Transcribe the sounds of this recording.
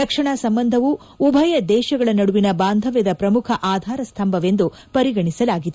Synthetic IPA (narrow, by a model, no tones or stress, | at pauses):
ɾɐkʂɐɳaːsɐmbɐnd̪ʱɐʋuː | bʱɐjɐd̪ɛːʃɐɡɐɭɐnɐɽuʋinɐbaːnd̪ʱɐʋjɐd̪ɐpɾɐmukʰɐʔaːd̪ʱaːɾɐst̪ʰɐmbʱɐʋe̞nd̪u | pɐɾiɡɐɳisɐlaːɡid̪e